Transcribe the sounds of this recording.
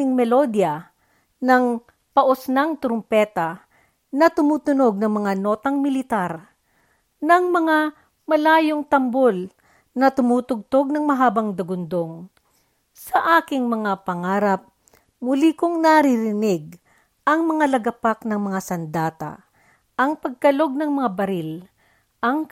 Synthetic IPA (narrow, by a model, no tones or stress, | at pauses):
ɪŋmɛlod̪jɐ | nɐŋ | pɐʔosnaŋt̪ɾompɛːt̪ɐ | nɐt̪ʊmuːt̪ʊnoɡ̚nɐŋmɐŋano̞ːt̪ɐŋmɪlɪt̪aɾ | nɐŋmɐŋa | mɐlaːjoŋt̪ɐmbol | nɐt̪ʊmuːt̪ʊɡ̚t̪oɡ̚nɐŋmɐɦaːbɐŋd̪ɐɡʊnd̪oŋ | sɐʔaːkɪŋmɐŋapɐŋaːɾɐp̚ | mʊlikoŋnɐɾɪɾɪnɪɡ̚ | ʔɐŋmɐŋalɐɡɐpaknɐŋmɐŋasɐnd̪aːt̪ɐ̰ | ʔɐŋpɐɡ̚kɐlo̞ɡ̚nɐŋmɐŋabɐɾɪl | ʔɐŋ